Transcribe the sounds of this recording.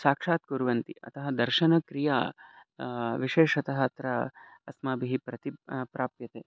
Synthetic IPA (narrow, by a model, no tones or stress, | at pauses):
ʃaːkʂaːt̪̚kuɾʋɐnt̪ḭʔɐ̰t̪ɐɦɐd̪ɐɾʃɐnɐkɾija̰ː | ʋiʃeːʃɐt̪ɐɦɐt̪ɾɐɐsmaːbiɦipɾɐt̪ipɾaːpjɐt̪eː